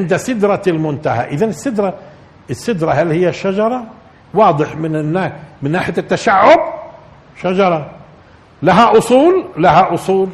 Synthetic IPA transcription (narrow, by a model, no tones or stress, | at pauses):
ʕɪnd̪asɪd̪ɾˤɑlmʊnt̪aha̰ʔɪðanɪsːɪd̪ɾˤɑ | ɪsːɪd̪ɾˤɑɦalhɪjːaʃːad͡ʒɑɾˤɑ | wɑːd̪ˤɨħmɪnnːamɪnːaːħɪjat̪ːaʃaʕːʊb | ʃad͡ʒɑɾˤɑ | laɦaʔʊsˤuːllahaʔʊsˤuːl